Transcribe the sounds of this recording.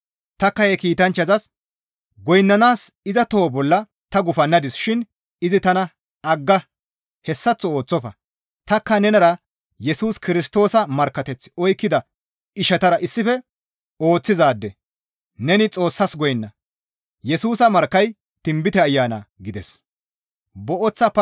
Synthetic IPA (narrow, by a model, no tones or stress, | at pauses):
t̪ɐkːɐjɛkiːt̪ɐnt͡ʃːɐzɐs | ɡɔjnːɐnaːsɪzɐt̪oːbɔlːɐ | t̪ɐɡʊfɐnːɐd̪ɪsʃɪn | ɪzɪt̪ɐnɐ | ɐɡːɐ | hɛsːɐt͡sːɔo̞ːt͡sːɔfɐ̰ | t̪ɐkːɐnɛnɐɾɐ | jɛsuːskɪɾɪst̪o̞ːsɐmɐɾkːɐt̪ɛt͡sːɪ̥ɔjkːɪd̪ɐ | ɪʃɐt̪ɐɾɐʔɪsːɪfɛ | o̞ːt͡sːɪzaːd̪ːɛ | nɛnɪt͡sʼo̞ːsːɐsɡɔjnːɐ | jɛsuːsɐmɐɾkːɐj | t̪ɪmbɪt̪ɛɐjːaːnɐ̰ɡɪd̪ɛs | bɔʔɔt͡sːɐpɐ